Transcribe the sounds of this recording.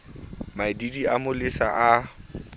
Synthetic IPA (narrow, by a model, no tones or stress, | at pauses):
madidiamʊlɪsa̰ʔa